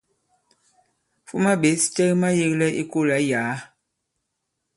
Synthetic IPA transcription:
fu˦ma˦ɓe˨˦si̥˦tɛ˦kma˦je˦klɛ˦i˦ko˦˨la˨˦jaː˨˦

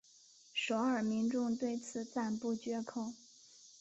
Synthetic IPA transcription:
ʂo˧˥ʊə˞˨˩mi˧˥ŋʈ͡ʂʊ˥˧ŋt̪we˥˩ɪt͡sʰɹ̩˨˩t͡sa˥˧npu˥˩t͡ɕɥɛ˧˥kʰo˨˩ʊ

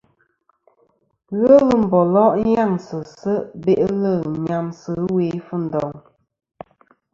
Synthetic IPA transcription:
ɣə˦lə˦m̩˨bɔ˨lɔ˦ʔja˦˨ŋsə˨sə˦ʔbe˦˨ʔlə˦˨ɲa˨msə˨˦we˨˦fə˦˨n̩˨dɔ˨ŋ

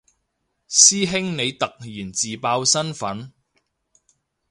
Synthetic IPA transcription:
siː˥ɦɪ˥ŋne˨˧jt̪ɐ˨k̚jiː˨˩nt͡siː˨paː˧wsɐ˥nfɐ˨˥n

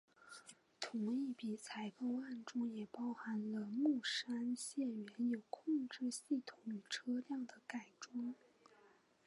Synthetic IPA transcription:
t̪ʰʊ˧˥ŋi˥˩pi˨˩t͡sʰa˧˥ɪko˥˧wa˥˩nʈ͡ʂʊ˥ŋjɛ˨˩pɑ˥ʊxa˧˥nlə˧mu˥˩ʂa˥nɕjɛ˥˩nɥɛ˧˥njo˨˩ʊkʰʊ˥˧ŋʈ͡ʂɻ̩˥˧ɕi˥˩t̪ʰʊ˨˧˥ŋy˨˩ʈ͡ʂʰɤ˥ljɑ˥˩ŋd̪ə˩ka˨˩ɪʈ͡ʂwʊ˥ŋ

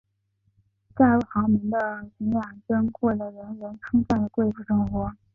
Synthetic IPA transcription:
t͡ɕa˥˧ə˥˩xɑ˧˥mi˧˥ŋd̪ə˧mi˧˥ŋja˨˩nʈ͡ʂə˥nkwɔ˥˩lə˩ɻə˧˥nɻə˧˥nʈ͡ʂʰɤ˥ŋfa˥˩nd̪ə˩kwe˥˧ɪfu˥˩ʂɤ˥ŋxwɔ˧˥

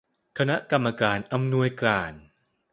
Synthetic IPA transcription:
kʰa˧na˦˥ʔka˧mːa˧kaː˨˧nʔa˧mnu˧əjklaː˨˩n

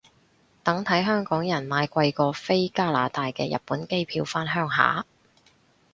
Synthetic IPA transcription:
t̪ɐ˨˥ŋt̪ʰɐ˨˥jɦœː˥ŋkɔː˨˥ŋjɐ˨˩nmaː˨˧jkʷɐ˧jkɔː˧fe˥jkaː˥laː˨˥t̪aː˨jkɛ̰ː˧jɐ̰˨˩t̚pːuː˨˥nke˥jpʰiː˧wfaː˥nɦœː˥ŋɦa̰ː˨˥

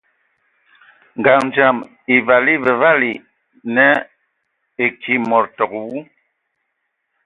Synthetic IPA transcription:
ŋɡa˨ŋn˨d͡ʒa˨m | i˨va˨li˦vɛ˨va˦li˨ | nɛ˦ | e˨ki˦mɔ˨ɾtɔ˨kwu˦

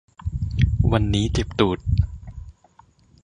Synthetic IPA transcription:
wa˧nːiː˦˥t͡ɕe˨˩p̚t̪uː˨˩t̪̚

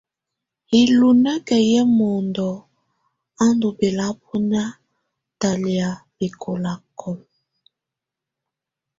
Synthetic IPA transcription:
i˨lu˨nɛ˦kɛ˨jɛ˦mɔ˨ndɔ˨ | a˦ndu˨be˨la˦p̚ʰu˦na˦ | ta˨li˨a˨bi˨kʰo˨la˨kʰɔ˦˨l

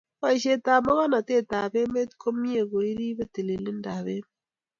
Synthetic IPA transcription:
wa˦i˨ʃe˦ta˨ma˦ɣa˦na˨te˦˨ta˨be˦me˦tkʰo˦mi˦e˨ɣo˨i˦ɾi˦βe˦ti˨le˨lɪ˦nda˨βe˦m˦

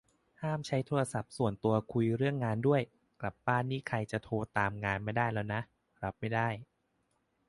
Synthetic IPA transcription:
haː˥˩mt͡ɕʰa˦˥jt̪ʰoː˧ɾa˧sa˨˩p̚su˨˩ənt̪u˧ɐkʰu˧jɾɯ˥˩əŋːaː˧ndu˥˩əj | kla˨˩p̚baː˥˩nːiː˦˥˩kʰa˧jt͡ɕa˨˩t̪ʰoː˧t̪aː˧mŋaː˧nma˥˩jdaː˥˩jlɛː˦˥wna˦˥ʔ | ɾa˦˥p̚ma˥˩jdaː˥˩j

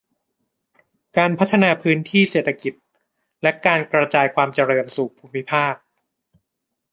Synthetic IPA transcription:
kaː˧npʰa˦˥t̪ʰːa˧naː˧pʰɯː˦˥nt̪ʰiː˥˩seː˨˩t̪ʰːa˧ki˨˩t̪̚ | lɛ˦˥kaː˧nkɾa˧t͡ɕaː˧jkʰwaː˧mt͡ɕa˧ɾɤː˧nsuː˨˩k̚pʰuː˧mːi˦˥pʰaː˥˩k̚

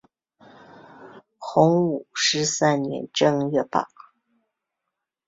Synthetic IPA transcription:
xʊ˧˥ŋu˨˩ʂɻ̩˥˧sa˥˩nnjɛ̰˧˥nʈ͡ʂɤ˥˧ŋɥɛ˥˧pa̰˥˩

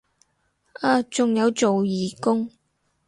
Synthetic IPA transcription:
aː˧t͡sʊ˨ŋjɐ˨˧wt͡so˨wjiː˨˩kʊ˥ŋ

